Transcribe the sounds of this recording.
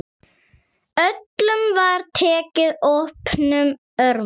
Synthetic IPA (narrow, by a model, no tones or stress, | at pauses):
œt̪lʏmvaɾt̪ʰɛːcɪðɔpnʏm | œɾ